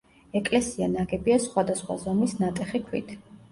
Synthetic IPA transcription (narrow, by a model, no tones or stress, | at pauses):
ɛkʼlɛsianaɡɛbiasχwad̪asχwa̰zɔmisnat̪ʼɛχikʰwḭt̪ʰ